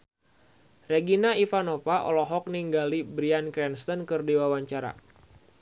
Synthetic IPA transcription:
reɡinaifanofaʔɔ̰lɔɦɔk̚niŋɡalibɾiankɾɛnst̪ɔnkɨrdiwawaɲt͡ʃaɾa̰

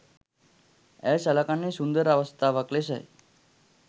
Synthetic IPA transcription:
ɛsalakanːisund̪əɾaʋəst̪aʋəklesə̰j

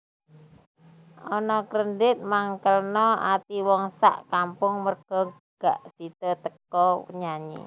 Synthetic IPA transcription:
ʔɔnɔkɾəndɪt̪̚maŋkəlnɔat̪iwɔŋsa̰ʔkampʊŋmərɡ̥ɔ̤ | ɡ̥a̰ʔsit̪ət̪əkɔɲaɲḭ

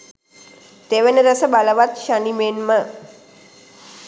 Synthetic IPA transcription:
t̪eʋenəɾəsəbaləʋat̪ʃənimenmə

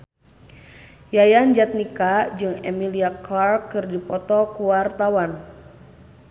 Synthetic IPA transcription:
jajand͡ʒat̪̚nikad͡ʒɨŋemiliakarkːɨrdipɔt̪ɔkuwart̪awan

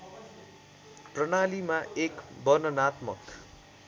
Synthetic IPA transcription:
prʌɽ̃alimaekbʌnʌnat̪mʌk

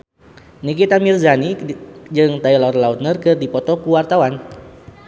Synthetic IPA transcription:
nikit̪amirzanid͡ʒɨŋt̪ailɔrlaut̪̚nərkɨrdipɔt̪ɔkuwart̪awan

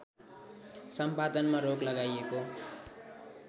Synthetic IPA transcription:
sʌmpad̪ʌnmaɾoklʌɡajeko

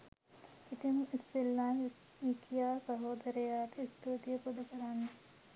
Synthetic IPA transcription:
it̪emisilːan | ʋikjaːsɐɦoːd̪ɐɾɐjaːt̪est̪od̪ijəpud̪ʱɐkəɾanːe

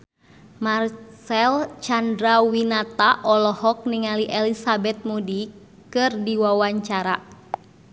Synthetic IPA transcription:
marsɛlt͡ʃandɾawinat̪aʔɔlɔhɔk̚niŋaliʔɛlisabɛt̪̚mudi | kɨrdiwawaɲt͡ʃaɾa

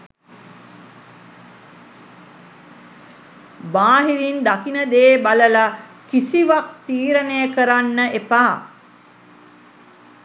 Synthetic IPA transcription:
baːɦilind̪akinəd̪eːbaləla | kisiʋak̚t̪iːɾənejəkəɾanːəʔepaː

